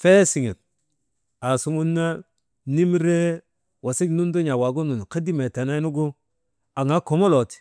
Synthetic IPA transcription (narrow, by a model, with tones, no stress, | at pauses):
fe˦si˨ŋe˨t̚ | a˨su˦ŋu˦nːa˦ | ni˦mɾe˦ | wʔa˨si˦knu˦ndo˦ɲa˨wa˨ɡo˦nu˨ka˦di˦me˨ta˨na˦nu˦ɡo˦ | a˨ŋa˦ko˨mo˦lo˨ti̥˨